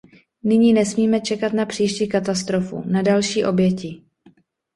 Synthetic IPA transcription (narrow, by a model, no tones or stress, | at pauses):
nɪɲiːnɛsmiːmɛt͡ʃɛkat̪napr̝̥iːʃciːkat̪ast̪ɾofṵnadalʃiːʔo̞bjɛci